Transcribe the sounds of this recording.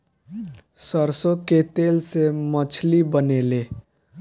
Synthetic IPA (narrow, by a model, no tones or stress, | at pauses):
səɾsõket̪eːlsemət͡ʃʰlibəneːle